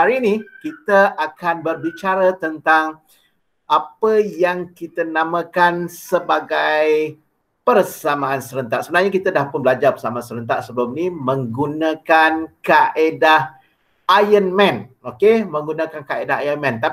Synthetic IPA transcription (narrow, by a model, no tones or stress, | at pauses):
aɾinikit̪əʔakanbərbit͡ʃaɾət̪ənt̪aŋ | ʔapəjaŋkit̪ənãmãkansəbaɡaj | pərsamãːnsəɾənt̪aʔsəbənarɲakit̪ədahpʊnbəlad͡ʒapəsamasəɾənt̪aʔsəbəlʊmnimə̃ŋɡunakankaʔedah | ajənmɛ̃nokemə̃ŋɡunãkankaedaɦajənmɛ̃nt̪a